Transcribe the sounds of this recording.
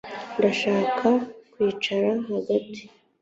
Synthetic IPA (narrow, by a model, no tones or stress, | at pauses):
ndaʃaːkʰakwiːt͡ʃaɾaɦaɡati̥